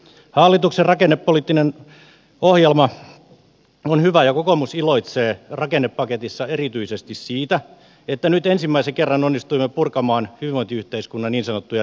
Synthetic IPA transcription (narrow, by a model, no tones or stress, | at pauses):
hɑːlːit̪ukserrɑkenːepːoliˑt̪ːinen | ohjelmɑ | onhyʋæjɑkokomusiloit̪seːrɑkenːepːɑket̪isːɑerit̪yisest̪issiːt̪æ | et̪ːænyt̪ensimːæiseŋkerːɑnonːist̪uimːepurkɑmɑːnhyʋiʋoint̪iyht̪eiskunːɑniːnsɑnot̪ːujɑ